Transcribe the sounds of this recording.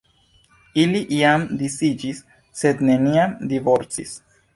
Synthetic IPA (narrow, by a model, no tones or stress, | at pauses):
iliʔiamdisid͡ʒisː | e̞dne̞niamdivo̞ɾt͡sḭs